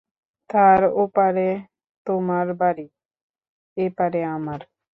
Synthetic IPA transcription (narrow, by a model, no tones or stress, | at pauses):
t̪ʰaːɾoːpaɾe | t̪omaɾbaɾiː | eːpaɾeaːməɾ